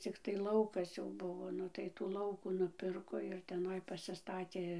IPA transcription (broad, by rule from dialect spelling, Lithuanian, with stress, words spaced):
t͡sʲɪkˈtɐɪ ˈlˠɐʊkɐs jɛʊ ˈbʊʋoː ˈnʊ tɐɪ tuː ˈlˠɐʊkuː nʊˈpʲɪrkoː ɪr tʲɛˈnɐɪ pɐsʲɪˈstɑːtʲeː